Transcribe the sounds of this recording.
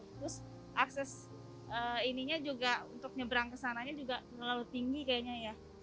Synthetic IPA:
t̪ɾʊs | ʔaksɛs | əiniɲad͡ʒuɡaunt̪ʊk̚ɲəbəɾaŋkəsanaɲad͡ʒuɡat̪ərlalut̪iŋɡikajaɲaja

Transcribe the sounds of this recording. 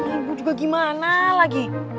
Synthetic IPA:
butuɡɔɡimanalaɡi

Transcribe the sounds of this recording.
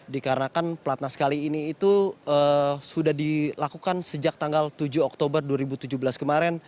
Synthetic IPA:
dikaɾənakanpəlat̪̚naskaliːniːt̪uəsudahdilakukansəd͡ʒak̚t̪aŋɡalt̪ud͡ʒuɔk̚t̪obərduaɾibut̪ud͡ʒubəlaskəmaɾɛn

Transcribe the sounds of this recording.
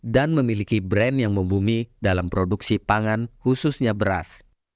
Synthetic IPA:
danməmilikibɾɛnjaŋməmbumidalampɾoduksipaŋanhususɲabəɾa̰s

